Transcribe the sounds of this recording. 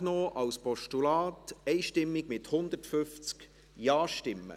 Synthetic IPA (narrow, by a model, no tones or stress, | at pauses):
noːʔɑwspɔʃtulɑːtɛɪʃtɪmːɪɡ̥mɪthʊnd̪ətfʏft͡sk | jɑːʃtɪmːə̰